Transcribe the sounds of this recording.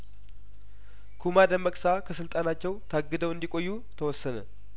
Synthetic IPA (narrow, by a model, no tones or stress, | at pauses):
kʰumad̪əmːəkʼsakʰəsɨlt̪ʼanat͡ʃːɛwt̪ʰaɡːɨd̪əwɨnd̪ikʼo̞jːu | t̪ʰəwɔsːənə